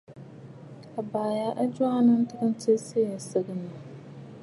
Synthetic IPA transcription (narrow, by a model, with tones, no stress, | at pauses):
a˨baː˨ja˦ʔa˦d͡ʒa˦nɨ˦n˦tɨ˦ɣɨ˦n˦tɪ˦se˦˨sɨ˦ɡɨ˨nːa˨